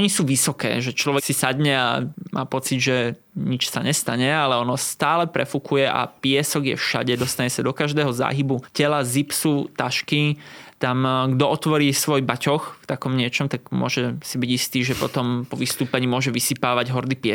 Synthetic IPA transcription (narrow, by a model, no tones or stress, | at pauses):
ɔɲisuːʋisɔkɛ̰ːʒɛt͡ʃlɔʋɛsisad̪ɲɛa̰mʔa̰ːpɔt͡sid̪ʒɛ | ɲit͡ʃsaɲɛst̪aɲɛalɛɔnɔst̪aːlɛpɾɛfukujɛʔa̰pɪɛsɔɡjɛ̰fʃa̰ɟɛd̪ɔst̪aɲɛsad̪ɔkaʒd̪ɛːɦɔza̰ːɦibucɛlazipsut̪aʃkit̪amɡd̪ɔɔt̪ʋɔɾiːsʋɔjbacɔxft̪akɔmɲɪɛt͡ʃɔmt̪aɡmʊɔʒɛsibiɟist̪iːʒɛpɔt̪ɔmpɔʋist̪uːpɛɲiːmʊɔʒɛʋisipaːʋaɟɦɔɾd̪ipɪɛ